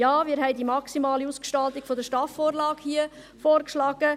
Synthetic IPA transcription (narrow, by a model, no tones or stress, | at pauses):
jɑːʋɪːɾhɛɪdimɑksimɑːliuskʃtɑlt̪iɡ̥fɔd̪əɾʃtɑːfːoːɾlɑːkhiə | foːɾkʃlɑːɡ̥ə